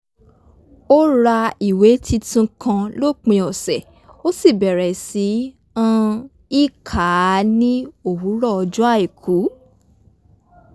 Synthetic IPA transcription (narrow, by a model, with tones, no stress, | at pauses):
o˦ɾa˧i˨we˨˦tʰi˧tũ˧kʰã˧lo˦˨k͡pĩ˧ɔ˨sɛ˨ | o˦si˦˨bɛ˨ɾɛ˨si˨˦ | ã˦˧ | i˦˨kʰa˨˦nĩ˦o˦˨wu˨˦ɾɔ˦˨ɔ˧d͡ʒu˦a˦˨e˨kʰu˨˦